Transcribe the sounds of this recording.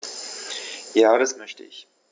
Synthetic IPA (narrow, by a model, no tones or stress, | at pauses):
jaːɾasmœçtə̰ʔɪç